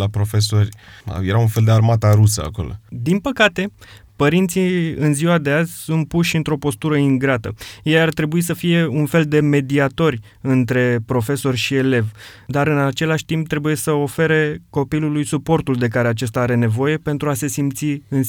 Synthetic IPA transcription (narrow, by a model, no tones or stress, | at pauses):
lapɾo̞fe̞so̞r̰ʲjeɾaunfe̞ld̪earmat̪aɾusəa̰ko̞̰lo̰d̪inpəkat̪e̞pəɾint̪siɨnziwad̪e̞azʲsunt̪̚puʃʲɨnt̪ɾo̞po̞st̪uɾəiŋɡɾat̪ə̰jejart̪ɾe̞buis̬əfije̞unfe̞ld̪e̞me̞d̪iat̪o̞rʲ | ɨnt̪ɾe̞pɾo̞fe̞so̞rʲʃie̞le̞vd̪aɾɨnat͡ʃe̞laʃʲt̪imp̚t̪ɾe̞buje̞səo̞fe̞ɾe̞ko̞pilulujsupo̞rt̪uld̪e̞k̬aɾe̞at͡ʃe̞st̪aaɾe̞ne̞vo̞je̞pe̞nt̪ɾuase̞simpt̪siɨn